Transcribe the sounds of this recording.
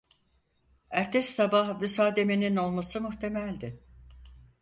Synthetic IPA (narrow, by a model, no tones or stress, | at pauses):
æɾt̪ʰɛsːabahbysaːd̪e̞menino̞lˠmasɯmuçt̪ʰe̞mælʲd̪ɪ